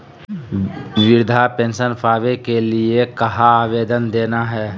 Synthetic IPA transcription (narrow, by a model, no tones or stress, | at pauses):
ʋɪɾd̪ʱapẽːnsənpʰaːʋekeliekɐɦaaːʋeːd̪ənd̪eːnaɦɛː